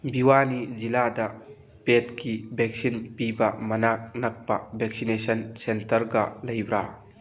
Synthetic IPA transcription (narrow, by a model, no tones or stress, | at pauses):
biwaniziladɐ | pet̚kibʱɛk̚sinpibɐmɐnak̚nɐk̚pɐbʱɛk̚sinesɐnsentɐɾɡɐlɐjbɾa